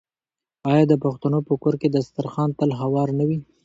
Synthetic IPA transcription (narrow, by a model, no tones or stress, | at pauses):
ɑjɑd̪əpaxt̪anopəkoɾked̪ast̪aɾxɑnt̪əlɦawɑɾnawi